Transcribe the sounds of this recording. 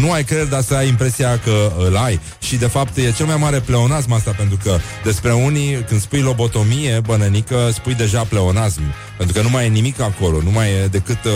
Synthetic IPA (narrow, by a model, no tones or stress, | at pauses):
numajkɾe̞d̪d̪asəajimpɾe̞siakəɨlaj | ʃid̪e̞fap̚t̪je̞t͡ʃe̞lmajmaɾe̞ple̞o̞nasmast̪apent̪ɾukə | d̪e̞spɾe̞unikɨnd̪spujlo̞bo̞t̪o̞mije̞bənənikəspujd̪e̞ʒaple̞o̞nasmpent̪ɾukənumajnimikako̞lo̞numajd̪e̞kɨt̪